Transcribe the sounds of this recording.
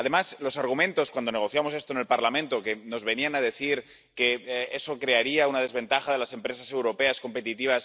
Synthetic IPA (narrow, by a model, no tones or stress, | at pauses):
aðe̞maslo̞saɾɣ̞umẽ̞nt̪o̞skwand̪one̞ɣ̞o̞θjamo̞se̞st̪oene̞lpaɾlamẽ̞nt̪o̞ke̞no̞zβe̞nianaðe̞θiɾ | ke̞eso̞kɾe̞aɾiaunað̞e̞zβe̞nt̪axaðe̞lase̞mpɾe̞sase̞wɾo̞pe̞asko̞mpe̞t̪it̪iβ̞as